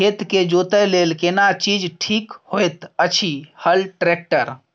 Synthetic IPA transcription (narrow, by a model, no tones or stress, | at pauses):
et̪ked͡ʒot̪əlelkenat͡ʃid͡ʒʈʰikhojt̪ət͡ʃʰihəlʈɾek̚ʈəɾ